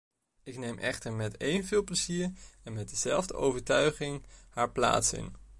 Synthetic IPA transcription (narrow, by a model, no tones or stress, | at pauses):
ɪknejmʔɛ̰χtəɹmɛtejnvɪːlˠpləziːɹɛnmɛt̚dəzɛ̰lˠvdə̰ʔowvəɹtœɥχɪŋhaːɹpla̰ːtsɪ̰n